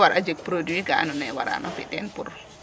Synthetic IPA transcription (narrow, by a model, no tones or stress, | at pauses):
waɾʔad͡ʒek̚pɾodiɡaa̰nɔnɛwa̰ɾa̰nɔfḭtɛnpuɾ